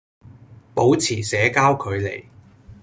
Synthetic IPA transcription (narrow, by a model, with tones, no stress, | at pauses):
po˨˥wt͡sʰiː˨˩sɛː˨˥kaː˥wkʰɵ˨˧ɥlḛ˨˩j